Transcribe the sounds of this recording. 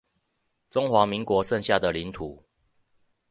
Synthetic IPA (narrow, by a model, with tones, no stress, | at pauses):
ʈ͡ʂo˦ŋxwa˨˦mi˨˦ŋkwɔ˨˧˦ʂə˥˧˨nɕja˥˨d̪ə˨li˨˦nt̪ʰu˨˩˦